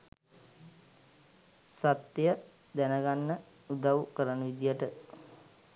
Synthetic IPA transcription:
sat̪jə | d̪ænəɡanːə | ud̪aʋukəɾənəʋid̪ijəʈə

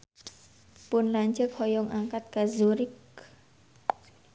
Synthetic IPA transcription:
pʊnlaɲt͡ʃək̚hɔjɔŋaŋkat̪̚kazuɾɪk

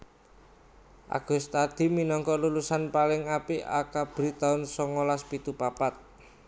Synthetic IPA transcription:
ʔa̰ɡ̥ʊ̤st̪ad̪̥i̤minɔŋkɔlulusanpalɪŋapiʔa̰kab̥ɾit̪aʊnsɔŋolaspit̪upapat̪̚

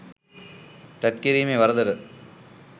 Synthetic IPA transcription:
t̪ɐt̪̚kiɾimeʋɐɾɐd̪ɐɾɯ

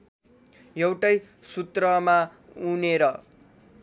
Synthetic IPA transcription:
jʌwʈʌj | sut̪rʌmauneɾʌ

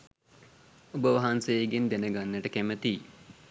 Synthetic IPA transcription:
obəʋaɦansejeɡend̪enəɡanːəʈəkæmət̪i

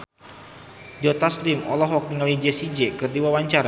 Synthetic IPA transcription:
d͡ʒɔt̪asliŋɔ̰lɔɦɔk̚t̪iŋalid͡ʒɛsid͡ʒɛkɨrdiwawaɲt͡ʃaɾa

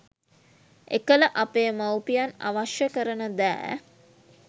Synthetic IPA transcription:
ḛkələʔapeːmawpijana̰ʋaʃjəkəɾənəd̪æ̰ː

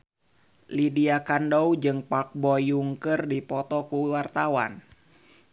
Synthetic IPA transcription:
lidiakandoud͡ʒɨŋpak̚bɔjuŋkərdipɔt̪ɔkuwart̪awa̰n

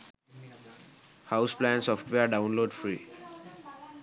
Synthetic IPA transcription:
haʊsplæ̃nsɔːfʈʋeəɾɖãʊ̃nloːɖfɾiː

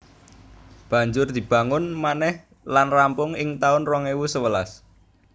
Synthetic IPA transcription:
b̥ä̤ɲd͡ʒʊrd̪̥i̤b̥a̤ŋʊnmanɛh | lanrampʊŋɪŋt̪aʊnrɔŋewusəwəlas

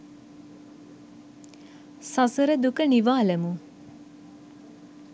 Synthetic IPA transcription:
sasəɾəd̪ukəniʋaːləmu

